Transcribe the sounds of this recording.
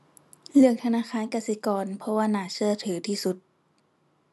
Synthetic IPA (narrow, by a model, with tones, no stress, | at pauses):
lɯ˧˩əŋt̪ʰa˧naː˧˥˨xʰaː˧˥˨nka˧˩si˧˦kɔː˧˨npʰɔ˧waː˧˨naː˧˩sɯ˧˩ɐt̪ʰɯː˩˦t̪ʰiː˧˨su˧˦t̪̚